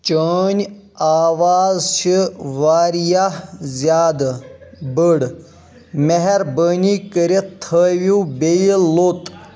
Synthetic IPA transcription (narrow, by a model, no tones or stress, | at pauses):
t͡ɕəːnʲ | aːʋaːzɕiʋaːɾijazʲjaːd̪bəɽ | meɦeɾbənikəɾet̪ʰəʋibejlot̪